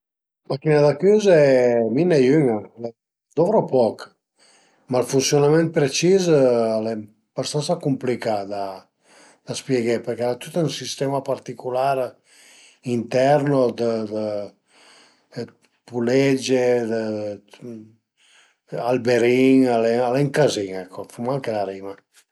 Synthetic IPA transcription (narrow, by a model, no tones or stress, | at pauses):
makinad̪akyzɛminejyŋalɛ | d̪ovɾopɔk | malfunsjonamɛ̃nt̪̚pɾet͡ʃizalɛ | bast̪ansakumplikad̪a | d̪̥aspjeɡepəɾkaɾat̪ut̪unsist̪ɛmapaɾt̪ikulaɾ | int̪ɛɾnod̪əd̪ə | pulɛd͡ʒed̪ə | albeɾiŋalɛalɛŋkaziŋɛkʰːofumalkelaɾima